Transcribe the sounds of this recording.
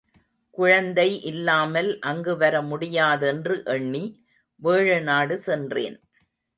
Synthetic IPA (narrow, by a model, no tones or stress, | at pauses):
kʊɻɐnd̪ɐɪʔɪlːaːmɐlʔɐŋɡɯʋɐɾɐmʊɽɪjaːðɛndrɯʔɛɳːi | ʋeːɻɯnaːɽɯsɛndrḛːn